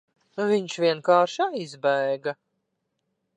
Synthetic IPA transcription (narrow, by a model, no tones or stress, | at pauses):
nuvʲiɲʃvʲiɛnkaːɾʃajzbæjɡa